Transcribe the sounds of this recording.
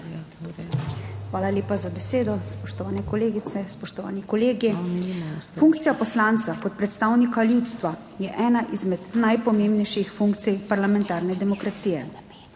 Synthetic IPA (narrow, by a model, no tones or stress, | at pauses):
xʋaːlalʲeːpazabɛseːd̪ɔspɔʃt̪ɔʋaːnɛkɔleːɡit̪sɛspɔʃt̪ɔʋa̰ːnikɔleːɡi | fuŋkt̪sijapɔslaːnt̪sakɔt̪̚pɾɛt̪st̪aːwnikaljuːt̪st̪ʋa | jɛʔɛːnaʔizmɛd̪najpɔmeːmbnɛjʃixfuŋkt̪sijpaɾlamɛ̃nt̪aːɾnɛd̪ɛmɔkɾat̪siːjɛ